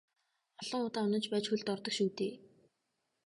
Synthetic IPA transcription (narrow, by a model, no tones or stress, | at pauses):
ɔɮɞ̆ŋʊt̪aːʊnə̆nt͡ɕpæːt͡ɕxɵɮt̪ɔrt̪ɞ̆kʃuːt̪eː